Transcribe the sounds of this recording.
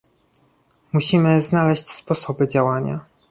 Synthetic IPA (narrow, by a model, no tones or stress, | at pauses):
muɕimɘznalɛɕt͡ɕspɔsɔbɘd͡ʑawaɲa̰